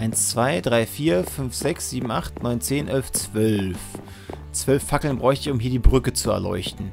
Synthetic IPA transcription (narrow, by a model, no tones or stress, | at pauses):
ʔaɪnst͡sv̥aɪdʁaɪfiːɐfʏnfz̥ɛksz̥iːbm̩ʔaχtnɔʏnt͡seːnʔɛlft͡sv̥œlf | t͡sv̥œlfːakl̩nbʁɔʏçtəɪçʊmɦiːɐdiːbʁʏkət͡suɛ̰ɐlɔ̰ʏçtn̩